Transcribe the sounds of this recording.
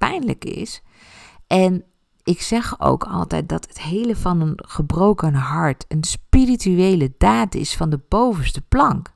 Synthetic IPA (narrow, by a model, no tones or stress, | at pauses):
pɛjnlə̰kɪ̰s | ʔɛn | ɪksɛχo̰wkʰɑ̰lˠtɛ̰jt̚dɑtətɦejləvɑnənχəbrowkənɦɑɹtʰənspirityejlədaːtɪ̰sfɑndəbowvənstəplɑŋk